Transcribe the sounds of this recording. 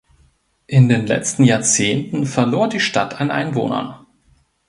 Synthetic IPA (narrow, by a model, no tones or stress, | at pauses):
ʔɪndeːnlɛ̰t͡stn̩jaːɐt͡seːntn̩fɛɐloːɐdiːʃtatʰanʔa̰ɪnvo̰ːnɐ̰n